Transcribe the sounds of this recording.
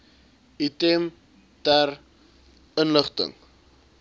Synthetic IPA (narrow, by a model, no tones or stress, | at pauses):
item | tær | ənləχtə̰ŋ